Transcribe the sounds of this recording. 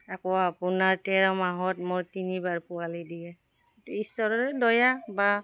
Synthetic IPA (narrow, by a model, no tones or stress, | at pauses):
akɔapunaɹtɛɹɔmaɦɔtmɔɹtinibaɹpʊalidijɛ | tuisɔɹɔtɛdɔjaba